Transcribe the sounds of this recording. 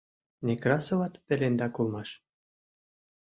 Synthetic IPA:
nʲekɾɑsŏvɑt̪pɘ̆lʲend̪ɑkulˠmɑʃ

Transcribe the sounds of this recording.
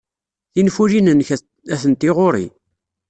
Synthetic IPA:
θinfuɾinənç | æθənt̪ɪʁoʊɾḭ

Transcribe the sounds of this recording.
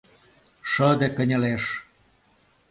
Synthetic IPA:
ʃəd̪ĕkə̆nʲə̆leʃ

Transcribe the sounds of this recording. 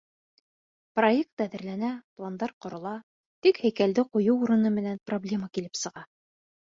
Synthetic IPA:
projek̚t̪æðɘ̆ɾlænæplˠand̪ɑɾqŏɾŏlˠɑ | t̪ikhæjkæld̪ɘqujɤwuɾɤ̆nɤmɘ̆nænproblʲe̞makilɘpsɤ̆ʁɑ

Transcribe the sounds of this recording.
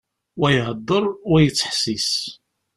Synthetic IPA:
wæjɦəd̪ˤːəɾˤʊjət͡sːħsis

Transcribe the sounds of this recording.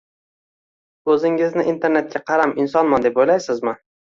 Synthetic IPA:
ɵzɪŋɪznɪʔint̪ʰe̞ɾne̞t̪̚kʲaqʰɑɾamɪnsɒnmand̪e̞pojlajsɪzmɪ

